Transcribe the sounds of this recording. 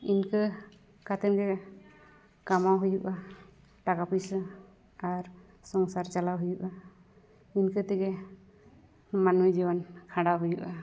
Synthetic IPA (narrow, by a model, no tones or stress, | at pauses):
inkə | kat̪ɛnɡɛ | kamawɦujuʔa | ʈakapis | aɾ | sɔŋsaɾt͡ʃalawɦujuʔa | inkət̪ɛɡɛ | manujd͡ʒiwankʰãɽaɦujuʔa